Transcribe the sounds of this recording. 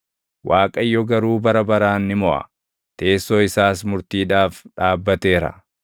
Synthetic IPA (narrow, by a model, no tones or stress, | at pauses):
wʔaːkʼɐjːɔɡɐɾuːbɐɾɐbɐɾaːnːɪmɔʔɐ̰ | t̪e̞ːsːoːɪsaːsmʊɾt̪iːᶑaːfᶑaːbːɐt̪e̞ːɾɐ̰